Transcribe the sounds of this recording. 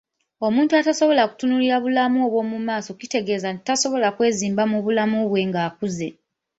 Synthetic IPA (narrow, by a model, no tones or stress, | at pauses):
o̞muːntuataso̞βo̞laku̥tunuliɾaβulamuo̞βwo̞ːmumaːso̞kite̞ɡe̞ːzanti̥taso̞βo̞lakwe̞ːziːmbamuβulamuβwe̞ŋɡaːkuze̞